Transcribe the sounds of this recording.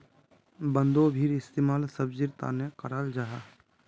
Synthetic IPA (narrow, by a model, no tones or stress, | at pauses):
bə̃nd̪obʱiɾɪst̪eːmaːlsəbd͡ʒɪɾt̪a̰ːnekəɾaːld͡ʒaːɦaː